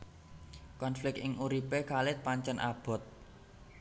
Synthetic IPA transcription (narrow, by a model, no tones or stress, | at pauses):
kɔnflɪk̚ɪŋʔuɾipekalɪt̪̚paɲt͡ʃənʔa̰b̥ɔ̤t̪̚